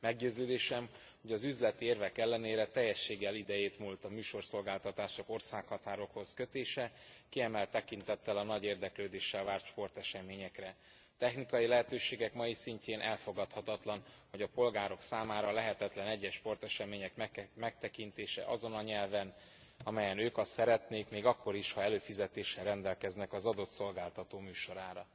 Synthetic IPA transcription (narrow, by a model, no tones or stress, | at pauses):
mɛɡɟøːzøːd̪eːʃɛm | ho̞ɟɒzyzlɛt̪ieːrvɛkɛlːɛneːɾɛt̪ɛjːɛʃːeːɡːɛlid̪ɛjeːt̪mult̪ɒmyːʃo̞rso̞lɡaːlt̪ɒt̪aːʃoko̞rsaːkhɒt̪aːɾo̞kho̞zkø̞t̪eːʃɛkiɛmɛlt̪ːɛkint̪ɛt̪ːɛlɒnɒɟeːrd̪ɛkløːd̪eːʃːɛlvaːrt̪ʃpo̞rt̪ɛʃɛmeːɲɛkrɛ | t̪ɛxnikɒjilɛɦɛt̪øːʃeːɡɛkmɒjisiɲceːnʔɛlfo̞ɡɒt̪hɒt̪ɒt̪lɒnho̞ɟɒpo̞lɡaːɾo̞ksaːmaːɾɒlɛɦɛt̪ɛt̪lɛnɛɟːɛʃpo̞rt̪ɛʃɛmeːɲɛkmmɛk̚t̪ɛkint̪eːʃɛ̰ʔɒzo̞nɒɲɛlvɛn | ɒmɛjɛnøːkɒsɛɾɛt̪neːkmeːɡɒkːo̞ɾiʃhɒɛløːfizɛt̪eːʃːɛlrɛnd̪ɛlkɛznɛkɒzɒd̪o̞t̪so̞lɡaːlt̪ɒt̪oːmyːʃo̞ɾaːɾɒ